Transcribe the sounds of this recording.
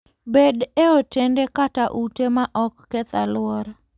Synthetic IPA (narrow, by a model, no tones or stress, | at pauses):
bedeotendekataʔutemaʔɔkːɛt̪alwɔɾ